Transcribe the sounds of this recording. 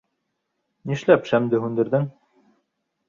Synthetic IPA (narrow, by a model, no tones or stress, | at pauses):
niʃlæpʃæmd̪ɘɦʉnd̪ɘ̆ɾðɘŋ